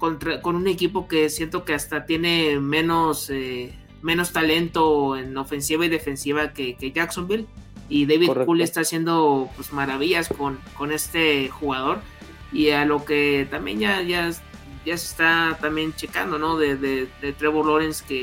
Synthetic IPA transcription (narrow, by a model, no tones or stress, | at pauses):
kont̪ɾako̞nune̞kipo̞ke̞sje̞nt̪o̞ke̞ast̪at̪je̞ne̞mẽ̞no̞se | mẽ̞no̞st̪ale̞nt̪o̞eno̞fe̞nsiβaiðe̞fe̞nsiβ̞ake̞ke̞ʝaksombil | iðejβiðkuliest̪aːsje̞nd̪o̞pwezmaɾaβ̞iʝaskonko̞ne̞st̪e̞xuɣað̞o̞ɾ | ialo̞ket̪ambjḛnʝaʝaʝasest̪at̪amje̞nt͡ʃe̞ka̰nd̪o̞no̞ðe̞ðedet̪ɾeβuɾlo̞ɾenske